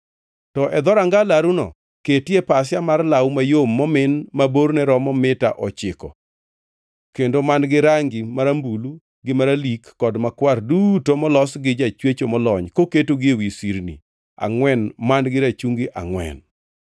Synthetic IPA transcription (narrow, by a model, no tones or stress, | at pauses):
tɔʔɛd̪ɔɾaŋɡalaɾunɔ̰ | ketjepas̬jamarlawmajomːɔmɪnmaboɾnɛɾɔmɔmɪta̰ʔɔt͡ʃɪkɔ̰ | kendomanɡɪɾaŋɡɪmaɾambulu | ɡɪmaɾalikːɔdmakwardutomɔlɔsɡɪd͡ʒat͡ʃwet͡ʃomɔlɔɲkoketoɡɪwisiɾnḭ | a̰ŋwɛnmanɡɪɾat͡ʃuŋɡiʔa̰ŋwɛ̰n